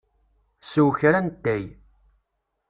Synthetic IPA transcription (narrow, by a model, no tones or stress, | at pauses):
suwçɾænt̪ːæj